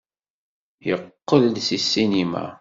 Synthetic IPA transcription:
jəqːəld̪sisːinima̰

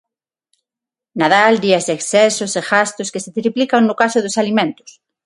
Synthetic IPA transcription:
naðald̪iɐzðeksɛsoseɣast̪ʊskeset̪ɾiplikaŋnʊkasʊðosalimẽnt̪ʊ̥s

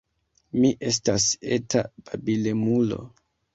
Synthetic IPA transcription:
miʔe̞s̬tase̞tab̥abilemulo̞̰

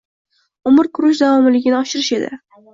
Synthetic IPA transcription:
ʊmɪɾkʰʊɾʊʃ̬d̪avɒmɪlɪɡʲɪnɪɒʃɪɾɪʃe̞d̪ɪ̰

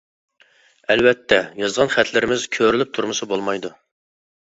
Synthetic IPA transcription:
ɛlwɛt̪ʰːɛjɑzʁɑnχɛt̪ʰlɪɾɪmɪzkʲʰøɾylyp̚t̪ʰuɾmɨsɨbolˠmɑjd̪u

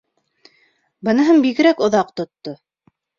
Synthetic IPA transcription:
bɤ̆nɤ̆ɦɤɴbiɣɘ̆ɾækŏðɑqt̪ŏt̪ːo

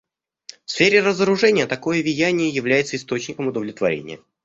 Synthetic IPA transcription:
fsfʲeɾʲɪrəzəɾʊʐɛnʲɪjət̪ɐko̞jəvʲɪjænʲɪjəjɪvlʲæjɪt̪səɪst̪o̞t͡ɕnʲɪkəmʊd̪əvlʲɪt̪vɐɾʲḛnʲɪ̰jə

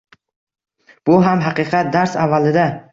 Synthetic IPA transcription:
b̥ʊɦamɦɑqɨqʰɑt̪̚d̪aɾsavːalɪd̪a

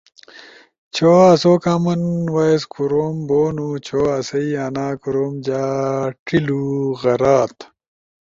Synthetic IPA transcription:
t͡ɕʰoːɐsoːkaːmɐnwaeskuɾoːmboːnut͡ɕʰoːɐsɐiaːnaːkuɾoːmd͡ʑaːʈiluɣɐɾaːt̪

